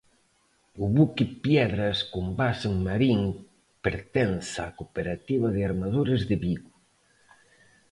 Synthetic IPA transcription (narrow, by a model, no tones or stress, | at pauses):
ʊβukɪpjɛðɾɐskombaseŋmaɾiŋ | peɾt̪ɛnsakopeɾat̪iβɐðɪaɾmað̞uɾɪzðɪβiɣu